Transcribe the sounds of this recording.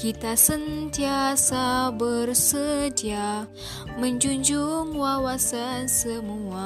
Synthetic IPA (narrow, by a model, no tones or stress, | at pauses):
kit̪asənt̪iasabərsədia | məɲd͡ʒuɲd͡ʒuŋwawasansəmua